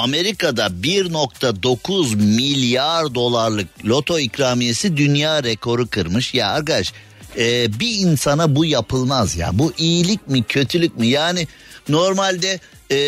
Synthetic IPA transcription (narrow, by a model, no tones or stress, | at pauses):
ame̞ɾikad̪abiɾno̞kt̪ʰad̪o̞kʰuzmilʲjaɾd̪o̞lˠaɾlˠɯk̚lʲo̞t̪ʰo̞icɾaːmije̞sid̪ynjaːɾekʰo̞ɾukʰɯɾmɯʃjaakaʃ | ɛːbiinsanabujapʰɯlˠmazja̰buʔijilʲic̚mɪcʰø̞t̪ʰylʲycʲmijaːnɪ | no̞ɾmalʲd̪ɛ